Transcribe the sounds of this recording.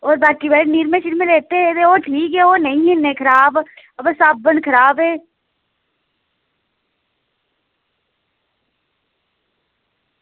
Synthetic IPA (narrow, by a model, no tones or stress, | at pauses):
oːɾbaːkibɛːniːɾmẽʃɪɾmẽleːt̪eɦẽt̪eoːʈʰiːkɦɛːoːnəɦĩɦẽnẽkʰəɾaːb | əbsab̚bənkʰəɾaːbɦeː